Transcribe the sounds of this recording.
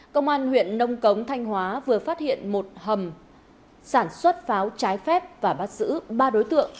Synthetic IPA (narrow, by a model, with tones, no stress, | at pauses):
kə˧wŋ͡mʔaː˧nhwḭ˧˨ənːə˧wŋ͡mkə˨˦wŋ͡mt̪ʰa˧jŋ̟ɦwaː˨˦vɨ˨˩əfaː˦˥t̚hḭ˧˨ənmo˨˩t̚hə˨˩m | saː˧˩nswə˦˥t̚faː˨˦wt͡ɕaː˨˦jfɛ˦˥p̚vaː˨˩ɓaː˦˥t̚zɨ̰˧˥ɓaː˧ɗo˨˦jt̪ɨ̰˧˨əŋ